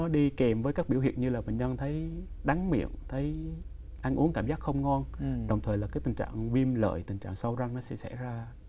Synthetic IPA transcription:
ɔ˨˦ɗi˧ke˨˩mvəː˨˦jkaː˦˥k̚ɓi˧˩whḭ˧˨ənɲɨ˧laː˨˩və̰˧˨ɲɲə˧nt̪ʰə˨˦j | ɗa˨˦ŋmḭ˧˨ənt̪ʰə˨˦j | ʔa˧jŋʔu˨˦ŋkaː˧˩mzaː˦˥k̚xə˧wŋ͡mŋɔ˧nɗə˨˩wŋ͡mt̪ʰəː˨˩jlaː˨˩kaː˨˦jt̪ï˨˩ŋ̟t͡ɕa̰ː˧˨ŋvi˧mlə̰ː˧˨jt̪ï˨˩ŋ̟t͡ɕa̰ː˧˨ŋsə˧wza˧ŋnɔ˨˦sɛ̰˧˥sɛ̰˧˩zaː˧

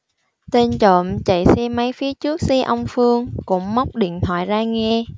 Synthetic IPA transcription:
t̪e˧nt͡ɕo̰˧˨mt͡ɕə̰˧˨jsɛ˧mːə˨˦jfi˨˦ət͡ɕɨ˦˥ək̚sɛ˧ʔə˧wŋ͡mfɨ˧əŋkʊ̰˧˥ŋ͡mma˦˥wk͡p̚ɗḭ˧˨ənt̪ʰwa̰ː˧˨jzaː˧ŋɛ˧

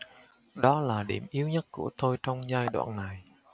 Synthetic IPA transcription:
ɗɔ˨˦laː˨˩ɗḭ˧˩əmʔi˨˦əwɲə˦˥t̚ku˧˩ət̪o˧jt͡ɕɔ˧wŋ͡mzaː˧jɗwa̰ː˧˨nna˨˩j

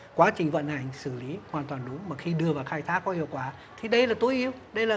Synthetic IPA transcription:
kwaː˨˦t͡ɕï˨˩ŋ̟və̰˧˨nha˨˩jŋsɨ˧˩li˨˦hwaː˨˩nt̪waː˨˩nɗʊ˨˦ŋ͡mmaː˨˩xi˧ɗɨ˧əvaː˨˩wxaː˧jt̪ʰaː˦˥kːɔ˨˦hḭ˧˨əwkwaː˧˩ | t̪ʰi˨˩ɗə˧jlaː˨˩t̪o˨˦jʔi˧ə˧wɗə˧jlaː˨˩

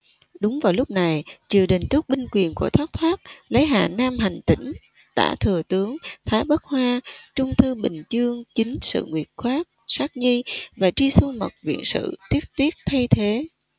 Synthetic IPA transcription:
ɗʊ˨˦ŋ͡mvaː˨˩wlʊ˦˥k͡p̚na˨˩jt͡ɕɨ˨˩əɗï˨˩ŋ̟t̪u˦˥k̚ɓï˧ŋ̟kwi˨˩ənku˧˩ət̪ʰwaː˦˥k̚t̪ʰwaː˦˥t̚lə˨˦jɦa̰ː˨˩naː˧mɦa˨˩jŋ̟t̪ḭ̈˧˩ŋ̟ | t̪a̰ː˧˩t̪ʰɨ˨˩ət̪ɨ˨˦əŋt̪ʰaː˨˦jɓə˦˥k̚hwaː˧t͡ɕʊ˧ŋ͡mt̪ʰɨ˧ɓï˨˩ŋ̟t͡ɕɨ˧əŋt͡ɕï˨˦ŋ̟sɨ̰˧˨ŋwi˨˩ət̚xwaː˦˥k̚saː˦˥k̚ɲi˧vaː˨˩t͡ɕi˧su˧mə̰˨˩t̚vḭ˧˨ənsɨ̰˧˨t̪ʰi˦˥t̚t̪wi˦˥ət̚t̪ʰa˧jt̪ʰe˨˦

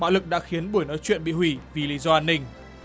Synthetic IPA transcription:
ɓa̰ː˧˥wlɨ˨˩k̚ɗa̰ː˧˥xi˨˦ənɓu˧˩əjnɔ˨˦jt͡ɕwḭ˧˨ənɓḭ˧˨hwi˧˩vi˨˩li˨˧˦zɔ˧ʔaː˧nːï˧˩ŋ̟

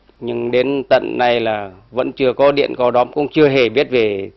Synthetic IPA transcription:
ɲɨ˧ŋɗe˨˦nt̪ə̰˧˨nːa˨˩jlaː˨˩və̰˧˥nt͡ɕɨ˧əkɔ˨˦ɗḭ˧˨ənkɔ˨˧˦ɗɔ˨˦mkʊ̰˧˥wŋ͡mt͡ɕɨ˧əɦe˧˩ɓi˦˥ət̚ve˨˩

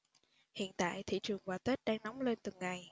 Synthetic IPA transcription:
hḭ˧˨ənt̪a̰ː˧˨jt̪ʰḭ˧˨t͡ɕɨ˨˩əŋvaː˨˩t̪e˦˥t̚ɗaː˧ŋnɔ˨˦wŋ͡mle˧nt̪ɨ˨˩ŋːa˨˩j

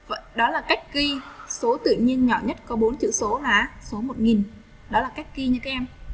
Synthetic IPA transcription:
və̰˧˨jɗɔ˨˦laː˨˩ka˦˥jk̟̚ki˧so˨˦t̪ɨ̰˧˨ɲi˧ənɲɔ̰˧˩ɲə˦˥t̚kɔ˨˦ɓo˨˦nt͡ɕɨ̰˧˨so˨˦laː˨˦so˨˦mo˨˩t̚ŋi˨˩n | ɗɔ˨˦laː˨˩ka˦˥jk̟̚ki˧ɲɨ˧t̪a˨˦ʔɛ˧m

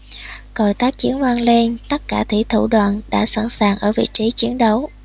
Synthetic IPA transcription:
kə˨˩jt̪aː˦˥k̚t͡ɕi˨˦ənvaː˧nle˧nt̪ə˦˥t̚kaː˧˩t̪ʰi˧˩t̪ʰu˧˩ɗwa̰ː˧˨nɗa̰ː˧˥sa˧˩nsaː˨˩ŋʔəː˧˩vḭ˧˨t͡ɕi˨˦t͡ɕi˨˦ənɗə˨˦w

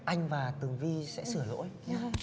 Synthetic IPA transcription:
ʔa˧jŋ̟vaː˨˩t̪ɨ˨˩əŋvi˧sɛ̰˧˥sɨ˧˩əlo̰˧˥j

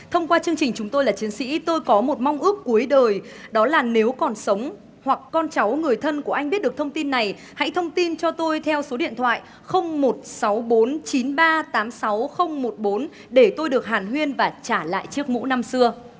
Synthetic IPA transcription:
t̪ʰə˧wŋ͡mkwaː˧t͡ɕɨ˧əŋt͡ɕï˨˩ŋ̟t͡ɕʊ˨˦ŋ͡mt̪o˧jlaː˨˩t͡ɕi˨˦ənsḭ˧˥t̪o˧jkɔ˨˦mo˨˩t̚ma˧wŋ͡mʔɨ˦˥ək̚ːu˨˦əjɗəː˨˩j | ɗɔ˨˦laː˨˩ne˨˦wkɔ˨˩nsə˨˦wŋ͡m | hwa˨˩kːɔ˧nt͡ɕa˨˦wŋɨ˨˩əjt̪ʰə˧nku˧˩əʔa˧jŋ̟ɓt̚ɗɨ˨˩ək̚t̪ʰwŋ͡mt̪i˧nːa˨˩j | ha̰˧˥jt̪ʰə˧wŋ͡mt̪i˧nt͡ɕɔ˧t̪o˧jt̪ʰɛ˧wso˨˦ɗḭ˧˨ənt̪ʰwa̰ː˧˨j | xə˧wŋ͡mmo˨˩t̚sa˨˦wɓo˨˦nt͡ɕi˨˦nɓaː˧t̪aː˨˦msa˨˦wxə˧wŋ͡mmo˨˩t̚ɓo˨˦n | ɗe˧˩t̪o˧jɗɨ˨˩ək̚haː˨˩nɦwi˧ənvaː˨˩t͡ɕaː˧˩la̰ː˧˨jt͡ɕɨ˦˥ək̚mṵ˧˥na˧msɨ˧ə

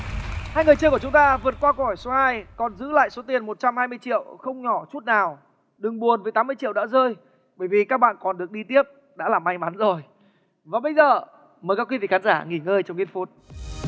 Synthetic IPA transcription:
haː˧jŋɨ˨˩əjt͡ɕəː˧ku˧˩ət͡ɕʊ˨˦ŋ͡mt̪aː˧vɨ˨˩ət̚kwaː˧ko˧˨ɔ˨˩jso˨˦haː˧jkɔ˨˩nzɨ̰˧˥la̰ː˧˨jso˨˦t̪i˨˩ənmo˨˩t̚t͡ɕa˧mhaː˧jmɨ˧əjt͡ɕḭ˧˨əwxə˧wŋ͡mɲɔ˧˩t͡ɕu˦˥t̚naː˨˩w | ɗɨ˨˩ŋɓu˨˩ənvəː˨˦jt̪aː˨˦mɨ˧ət͡ɕḭ˧˨wɗa̰˧˥zəː˧j | ɓəː˧˩jvi˨˩kaː˦˥k̚ɓa̰ː˧˨nkɔ˨˩nɗɨ˨˩ək̚ɗi˧t̪i˦˥əp̚ | ɗa̰ː˧˥laː˨˩mːa˧jŋma˨˦nzo˨˩j | vaː˨˩ɓə˧jzəː˨˩ | məː˨˩jka˨˦˥ki˨˦vḭ˧˨kxaː˨˦nzaː˧˩ŋi˧˩ŋəː˧jt͡ɕɔ˧wŋ͡mŋi˧nfu˦˥t̚

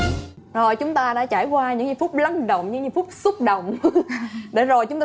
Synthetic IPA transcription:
zo˨˩jt͡ɕʊ˨˦ŋ͡mt̪aː˧ɗa̰ː˧˥t͡ɕaː˧˩jkwaː˧ɲɨ̰˧˥ŋɲ˧˦fʊ˦˥k͡p̚la˧ŋɗə̰˧˨wŋ͡mɲɨ̰˧˥ŋɲɨ˧˩˦fʊ˦˥k͡p̚sə˦˥k͡p̚ɗə̰˧˨wŋ͡m | ɗe˧˩zo˨˩jt͡ɕʊ˧˦ŋ͡mt̪

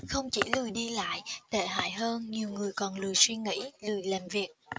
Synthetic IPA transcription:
xə˧wŋ͡mt͡ɕi˧˩˦lɨ˨˩əjɗi˧la̰ː˧˨jt̪e˧˩ɦa̰ː˧˨jɦəː˧nɲi˨˩əwŋɨ˨˩əjkɔ˨˩nlɨ˨˩əjswi˧ŋḭ˧˥lɨ˨˩əjlaː˨˩mvi˨˩ək̚

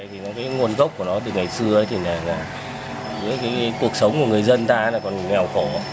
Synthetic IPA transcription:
a˧˨jt̪ʰi˨˩nɔ˨˦kaː˨˦ŋu˨˩ənɣə˦˥k͡p̚ku˧˩ənɔ˨˦ɗ̪ɨ˨˩ək̚ŋa˨˩jsɨ˧əʔəː˨˦jt̪ʰi˨˩naː˨˩naː˨˩˨ | zɨ˨˦jkaː˨˦jku˨˩ək̚sə˨˦wŋ͡mku˧˩əŋɨ˨˩əjzə˧nt̪aː˧˨˦laː˨˩kɔ˨˩n˨˩ŋa˨˩wxo˧˩a˨˦

